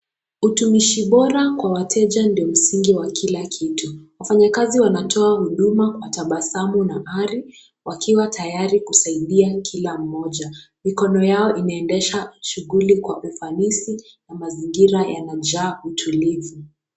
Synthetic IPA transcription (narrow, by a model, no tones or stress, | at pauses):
utumiʃiɓɔɾakwawatʰɛʄandiɔm̩siŋɡiwakʰilakʰituwafaɲakaziwanatʰɔahuɗumakwataɓasamunaʔaɾi | wakʰiwatʰajaɾikusaiɗiakʰilam̩mɔʄa | mikɔnɔjaɔʔinaɛndɛʃaʃuɣulikwaʔufanisi | namaziŋɡiɾajanad͡ʒaːutʰulivi